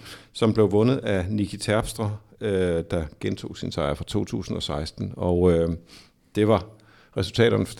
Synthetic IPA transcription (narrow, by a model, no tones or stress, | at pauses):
sɒ̽mb̥le̝ʊʋɔ̽nð̞̩ˠænikʰit͡sʰæɐb̥sd̥ʁɐød̥ɑ̈ɡ̥ent͡sʰo̝̰ːsinsɑ̈ɪɐfʁɑ̈t͡sʰo̝̰ːt͡sʰṵːsn̩ɒ̽sɑ̈ɪsd̥n̩ɒʊ | d̥e̝ʋɑ̈ | ʁɛsul̩t͡sʰɛ̰ːɾ̥ɐn